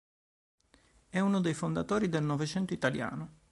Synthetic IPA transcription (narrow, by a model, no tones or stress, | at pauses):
ɛunod̪ejfond̪at̪oːɾid̪elnɔvet͡ʃɛnt̪oit̪alja̰ːno